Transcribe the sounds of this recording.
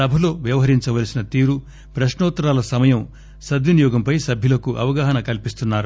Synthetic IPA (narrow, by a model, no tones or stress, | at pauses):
ɐbʱɐlo̞ːʋjɐʋɐɦɐɾiɲt͡ʃɐʋɐlsinɐt̪iːɾu | pɾɐʃnɔːt̪ɾaːlɐsɐmɐjɐm | sɐd̪ʋjɐnijɔːɡɐmpɐjsɐbʱjɐlɐkuʔɐʋɐɡaːɦɐnɐkɐlpist̪unːaːɾu